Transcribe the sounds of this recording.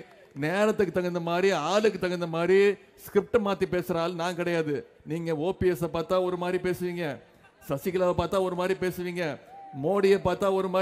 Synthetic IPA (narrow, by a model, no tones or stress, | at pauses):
neːɾɐt̪ːɯkːɯt̪ɐŋɡɐnd̪ɐmaːd̪ɾiaːlɯkːɯt̪ːɐŋɡɐnd̪ɐmaːd̪ɾi | skɾɪp̚ʈmaːt̪ːipeːsɪɾaːlnaːŋkɪɽɐjaːðɯ | niːŋɡɐoːpiɛsɐpaːɾt̪ãːɔɾɯmaːd̪ɾipeːsɯʋiːŋɡɐ | sɐsɪkːɪlaːʋɐpaːɾt̪ãːɔɾɯmaːd̪ɾipeːsɯʋiːŋɡɐmoːɽɪjɐpaːɾt̪ãːɔɾɯmaː